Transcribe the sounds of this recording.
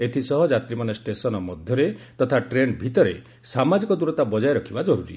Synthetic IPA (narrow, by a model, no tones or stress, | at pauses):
et̪ʰisɔɦɔd͡ʒat̪ɾimanesʈesɔnɔmɔd̪ʱjɔɾet̪ɔt̪ʰaʈɾenbʱit̪ɔɾe | samad͡ʒikɔd̪uɾɔt̪abɔd͡ʒajɾɔkʰibad͡ʒɔɾuɾḭ